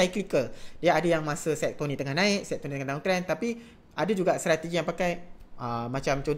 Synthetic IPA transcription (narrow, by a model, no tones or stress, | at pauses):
ajklikəldijaadəjaŋmasəsɛt̚t̪onĩt̪əŋahnãɪk̚sɛt̚t̪onĩt̪ŋant̪aoŋt̪ɾɛnt̪api | ʔadəd͡ʒuɡaʔst̪ɾat̪eɡijaŋpakajʔəmat͡ʃamt͡ʃo